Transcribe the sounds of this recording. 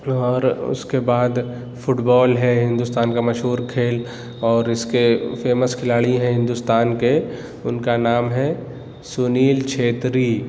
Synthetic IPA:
ɔːɾʊ̰skebaːd̪ | fʊʈbɔːlɦɛɦɪ̃nd̪ʊst̪aːnkamɐʃɦuːɾkʰeːl | ɔːɾɪskefeːməskʰɪlaːɭiɦɛ̃ɦɪ̃nd̪ʊst̪aːnke | ʊnkanaːmɦɛ | sʊniːlt͡ʃʰeːt̪ɾiː

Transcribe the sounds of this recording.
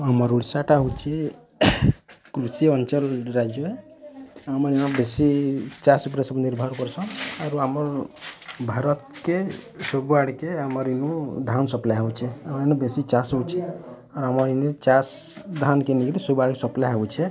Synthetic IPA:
ɦɔməɾuɽsaʈaɦut͡ʃʰi | kɾusiɔnt͡ʃəlɾad͡ʒjoe | aməɾinabesit͡ʃasupɾesəbniɾbʱɔɾkɔɾsʰɔ̃aɾuɦamɔɾ | bʱaɾɔt̪kesobaɽkeaməɾinud̪ʱansɔplaɦaut͡ʃʰɛamɾinubesit͡ʃast͡ʃʰi | ɔɾɦamɔɾinet͡ʃas | d̪ʱankeniklisobaɽkesɔplaɦaut͡ʃʰɛ

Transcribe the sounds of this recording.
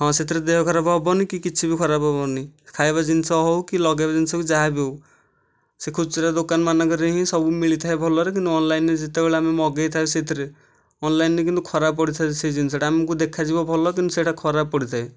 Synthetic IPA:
ɦɔ̃set̪ɾed̪eɦɔkʰɔɾabɔbɔnikikit͡ʃʰibikʰɔɾabɔbɔnikʰajbad͡ʒinsɔɦɔwkilɔɡabad͡ʒinsɔkid͡ʒaɦabow | sekʰubseʈad̪okanmanɔkɔɾeɦĩsɔbumiɭit̪ʰaebʱɔlɔɾek̬int̪uɔnlajnned͡ʒit̪ebeɭaamemɔɡejt̪ʰaset̪ʰɾe | ɔnlajnnekint̪ukʰɔɾab̚pɔɽit̪ʰased͡ʒinis̬ɔʈʰaamɔkud̪ekʰad͡ʒibɔbʱɔlɔk̬int̪useːʈʰakʰɔɾab̚pɔɽit̪ʰae

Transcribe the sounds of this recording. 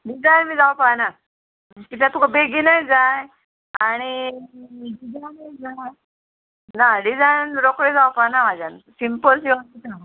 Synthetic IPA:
ɖid͡zajnmiːd͡zawpana | k̪it̪at̪ukabeɡinajd͡zaj | aɽ̃i | ɖid͡zajnajd͡zaa | naɖid͡zajnɾokɽed͡zawpanamad͡ʑansimpəlsiət̪it̪a

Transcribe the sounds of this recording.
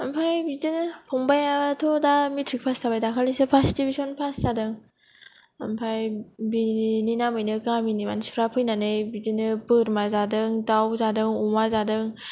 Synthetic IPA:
ampʰajbizɯnɯpʰɔŋbajatʰodamutʰɾik̚pʰastabajdakʰalisɯpʰastibisonpʰastadɯŋ | a̰mpʰajbininamɯjnɯkaminima̰nsu̥ɾapʰɯjnanɯjbizɯnɯpɯɾmazadɯŋdawzadɯŋɔŋazadɯŋ

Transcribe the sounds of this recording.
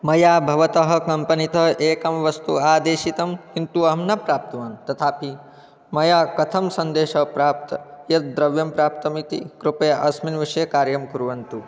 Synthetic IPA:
mɐjaːbʱɐʋɐt̪ɐɦɐ̆kɐmpɐnit̪ɐɦʔeːkɐmʋɐst̪uaːd̪eːʃit̪ɐmkint̪uɐmnɐpɾaːp̚t̪ɐʋaːnt̪ɐt̪ʰaːpʰi | mɐjaːkɐt̪ʰɐmsɐnd̪eːʃɐpɾaːp̚t̪ɐjɐt̪̚d̪ɾɐʋjɐmpɾaːp̚t̪ɐmit̪ḭkɾupɐjɐʔɐsminʋiʂɐjɐkaːɾjɐmkuɾʋɐnt̪u

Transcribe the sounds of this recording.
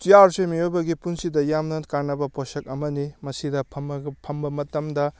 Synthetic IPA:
tijaɾsemijojbɐɡipunsidɐjamnɐkaɾnɐbɐpʰosɐk̚ɐmɐnimɐsidɐpʰɐmpʰɐmbɐmɐtɐmdɐ

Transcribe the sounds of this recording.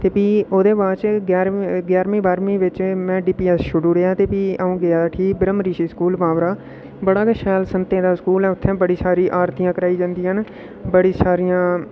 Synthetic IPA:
t̪eːpiːoːd̪eːbaːt͡ʃɡɛːɾɡjaːɾmĩːbaːɾmĩːʋɪt͡ʃmɛ̃ːɖiːpiːɛːsʃʊɽuːɾejaːt̪eːpiːaːũːɡɪaːʈʰiːbəɾəmɾiːʃiːskuːlpaːʋɾaː | bəɽaːkʃɛːlsənt̪ẽːd̪aːskuːlɛ̃ːʊt̪ʰːɛ̃ːbəɽiːsaːɾiːʔaːɾt̪ijãːkəɾaːiːd͡ʒãːnd̪iːɦən | bəɽiːsaːɾijãː

